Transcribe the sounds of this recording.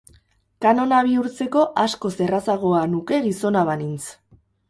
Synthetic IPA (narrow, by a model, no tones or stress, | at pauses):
kano̞naβ̞iuɾt͡se̞ko̞ʔaskose̞rasaɣ̞o̞anuke̞ɣiso̞naβanint͡s